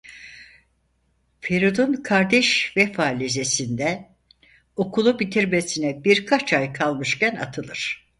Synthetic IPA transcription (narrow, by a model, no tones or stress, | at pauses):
feɾud̪unkʰaɾd̪ɛʃvɛfaːlʲize̞sind̪ɛ | o̞kʰulˠubit̪ʰiɾmesinɛbiɾkʰat͡ʃʰajkʰalˠmɯʃcæna̰t̪ʰɯlˠɯɾ̥